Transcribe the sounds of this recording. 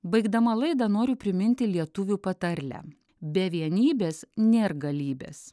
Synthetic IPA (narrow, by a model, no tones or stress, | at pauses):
bɐɪɡd̪ɐmɐlˠɐɪd̪ɐnoːɾʲʊpʲɾʲɪmʲɪnʲt̪ʲɪlʲiɛt̪ʊʋʲuːpɐt̪ɐɾʲlʲæ̰ | bʲɛʋʲiɛnʲiːbʲeːsnʲeːɾɡɐlʲiːbʲḛːs